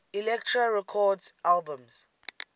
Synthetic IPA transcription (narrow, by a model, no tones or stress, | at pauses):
ilɛk̚tʰɹaɹɛkʰɔdzalbə̃mz̥